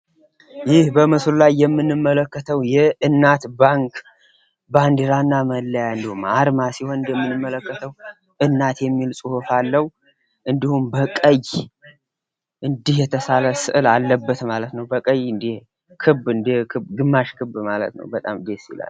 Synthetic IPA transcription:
jɪhbəmɨslulajːɛmːɨnːɨmːələkːət̪ʰəwjɛɨnːat̪baŋkʰ | band̪iɾanːaməlːəjaɨnd̪ihumaɾmasiho̞nɨnd̪jɛmːɨnːɨmːələkːət̪ʰəw | ɨnːat̪jɛmːilsʼuhufalːəw | ʔɨnd̪ihumbəkʼəj | ʔɨnd̪ihjɛt̪ʰəsaləsɨʔɨlalːəbːət̪malət̪nəwbəkʼəjɨnd̪ih | kʰɨbɨnd̪ikʰɨɡɨmːaʃkʰɨbmalə̰t̪nə̰wbət̪ʼamd̪esḭla̰l

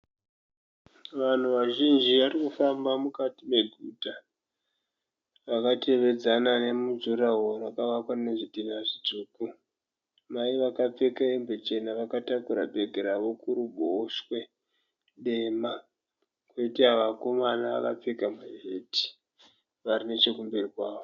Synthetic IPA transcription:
ʋan̤uʋaʒind͡ʒiʋarikufambamukatime̞ɡʱuːta | ʋakate̞ʋe̞d͡zanane̞mud͡ʒuɾaɦorakaʋakwane̞ʐidinaʐid͡zuːku | maiʋakap͡fe̞kaembet͡ʃe̞naʋakatakuɾa̰be̞ɡʱeɾaʋo̞kuɾubʱoʃwe̞ | ɗe̞ːma | kweitiaʋako̞mana̰ːka̰p͡fekamuɦeti̥ | ʋarine̞t͡ʃekumbe̞rikwaːʋo

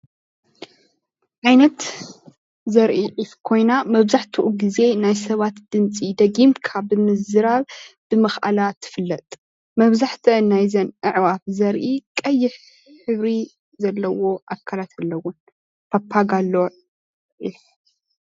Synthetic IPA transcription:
ʕajnɐt̪ | zɐɾʔiʕifkʰo̞jnamɐβzaħt̪ʰɨʔuɡize̞najsɐβat̪d̪̥ɨnt͡sʼid̪ɐɡimkʰabɨmɨzɨɾaβb̥ɨmɐxa̰lat̪ʰːɨ̥fɨlːɐt̪ʼ | mɐβzaħt̪ʰɨnːajzɐnʔɨʕwafzɐɾʔikʼɐjːɪħ | ħɨβɾi | zɐlːɐwo̞ʔakʰːalat̪ʰalːɐwʊn | pʰapʰːaɡalːo | ʔiħ

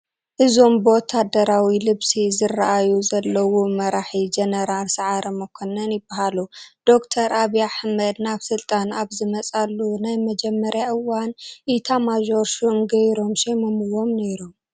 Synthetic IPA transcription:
ʔɨzo̞mbɨwɔt̪ʰːad̪ɐɾawilɨβsizɨrːaʔajuzɐlːɐwumɐɾaħid͡ʒɐnɐɾalsɐʕaɾɐmɐkʰonɐnjɪbːahalud̪̥o̞kt̪ʰɐɾʔaβiaħmɐd̪naβsɨlt̪ʼanaβzɨmɐt͡sʼalːunajmɐd͡ʒɛmːɐɾjaʔɨwanʔit̪ʰamaʒo̞ɾʃomɡɐjɾo̞mʃemomɨwo̞mne̞ɾum

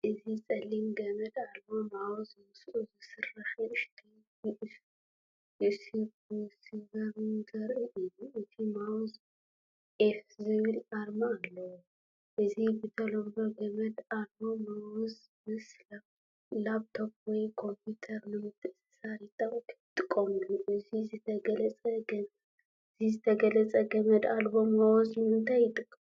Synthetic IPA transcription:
ʔɨzit͡sʼɐlːimɡɐmɐd̪aɾmomawɔzɨwusʔuzɨsɨrːaħɨʃt̪ʰi | jiʔs | jɨʔsi | siɡɐɾunzɐɾʔiʔɨjuʔɨt̪ʰimawɔz | ʔefzɨβɨlaɾmaːlːɐwo | ʔɨzibɨt̪ʰɐloβlo̞ɡɐmɐd̪aɾbo̞mawɔz | mɨsla | laβt̪ʰob̚wɔjkʰo̞mpʰit̪ʰɐɾnɨmɨt̪ʰːɨʔɨsɨ̥sajɪt̪ʼawkʰɨ̥t̪ʼːɨkʼːomuluʔɨzizɨt̪ʰɐɡɐlɐt͡sʼɐɡɐ | ɨzizɨt̪ʰɐɡɐlɐt͡sʼɐɡɐmɐd̪albo̞mawɔznɨmɨnt̪ʰajjɪt̪ʼːɨkʼːɐm

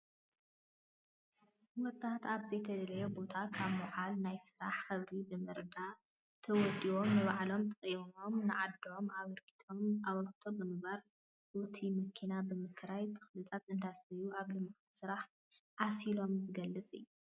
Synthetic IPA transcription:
wɔt̪ʼːat̪ʰaβzɐjt̪ʰɐd̪lɐjɛbo̞t̪ʰakʰaβmɔʕalnajsɨɾaħxɐβɾibɨmɨɾd̪a | t̪ʰɐwɔd̪io̞mnɨβaʕlo̞mt̪ʼɐχʼimo̞mnɨʕad̪ːo̞maβɐɾkʰi̥t̪ʰomaβɐlkʰɨ̥t̪ʰobɨmɨɡβaɾ | bot̪ʰimɨkʰinabɨmɨkʰɾajt̪ʰɨ̥xlɨt̪ʼat̪ɨnd̪ast̪ʰɐjuaβlɨmɨxʼt̪sɨɾaħ | ʕasilo̞mzɨɡɐlːɨt͡sʼɨ̰jːu

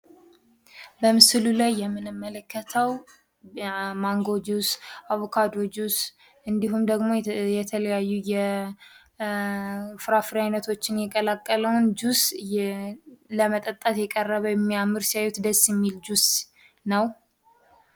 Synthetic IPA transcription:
bəmɨsɨlulajːɛmːɨnɨmːələkːət̪ʰəw | maŋɡo̞d͡ʒusʔaβokʰad̪od͡ʒus | ʔɨnd̪iɦumd̪əɡmo̞jɛt̪ʰələjajːujɛ | fɨɾafɨɾiajnət̪ʰo̞t͡ʃːɪnjɛkʼəlakʼːələwʊnd͡ʒus | ləmət̪ʼət̪ʼːat̪jɛkʼərːəβəwjɛmːijamːɨɾsijajut̪d̪əsːjɛmːild͡ʒus | nəw

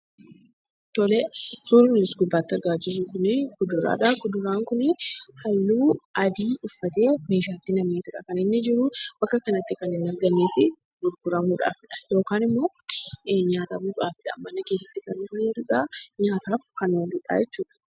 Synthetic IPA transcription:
t̪ɔlɛsuːɾɪmɪlɪsɡʊbːaːt̪ːɪɐɾɡaːt͡ʃːɪs̬uːkʊnɪkʊd̪ʊɾa̰ːᶑɐkʊd̪ʊɾaːŋkʊnɪhɐlːuːɐd̪iːʊfːɐt̪e̞ːmeːʃ̬aːt̪ːɪnɐmneːt̪ʊᶑɐkɐnɪnːɪd͡ʒɪɾʊb̥ɐkːɐkɐnɐt̪ːɪkɐnɪnːɐɾɡɐnːeːfɪ | ɡʊɾɡʊɾɐmuːᶑa̰ːfɪᶑɐ̥jo̞ːkaːnɪmːo | ɲaːt̪aːbuːkʼa̰ːfɪᶑɐ̰mːɐnːɐke̞ːs̬ːɐt̪ːɪkɐnɪneːd̪ʊᶑaɲaːt̪ʰaːfkɐnwɐnd̪ʊᶑa̰ːjɛt͡ʃːuːᶑɐ̥

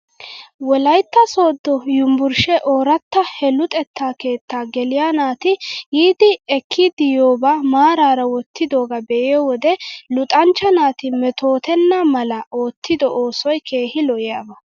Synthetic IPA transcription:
wɔlɐjt̪ːɐso̞ːd̪ːɔjʊmbʊɾʃɛʔoːɾɐt̪ːɐhɛlʊt̪ʼɛt̪ːaːke̞ːt̪ːaːɡɛlɪjaːnaːt̪ɪjiːd̪ɪɛkʰːid̪ɪjoːbaːmaːɾaːɾɐwɔt̪ːɪd̪o̞ːɡɐbɛʔɪjɔwɔd̪ɛlʊt̪ʼɐnt͡ʃːɐnaːt̪ɪmɛt̪o̞ːt̪ɛnːamɐlɐoːt̪ʰːɪd̪ɔoːsɔjkʰe̞ːhɪlɔʔɪjaːbɐ

